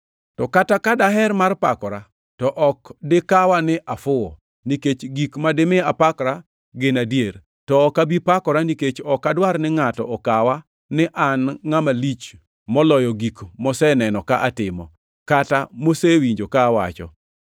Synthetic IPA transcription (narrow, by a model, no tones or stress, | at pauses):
tɔkatakadaɦɛrmarpa̰kɔɾa | tɔʔɔkdɪkawanɪʔafʊɔ̰ | niket͡ʃɡikmadɪmɪapakɾa | ɡɪnadjer | tɔːkabipakɔɾaniket͡ʃɔkadwarnɪŋatɔɔkawa | nɪʔanŋamalit͡ʃ | mɔlɔjɔɡikmɔsɛnɛnɔkaʔatɪmɔ̰ | katamosewiɲd͡ʒokaːwa̰t͡ʃɔ̰